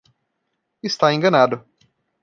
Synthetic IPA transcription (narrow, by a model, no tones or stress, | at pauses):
ɪst̪aẽŋɡɐnad̪ʊ